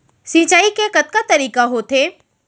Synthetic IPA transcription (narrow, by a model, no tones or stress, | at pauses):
sĩːt͡ʃaːikekɐt̪̚kat̪ɐɾiːkaɦot̪ʰeː